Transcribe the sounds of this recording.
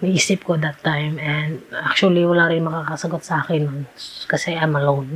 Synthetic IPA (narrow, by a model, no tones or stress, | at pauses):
nɐʔiːsɪp̚kot̪d̪ɐt̪ːajmɛnd̪ʔak̚t͡ʃuɐliwɐlaːɾɪnmɐkaːkɐsɐɡot̪̚sɐʔaːkɪnːonkɐsɛʔɐjmɐlown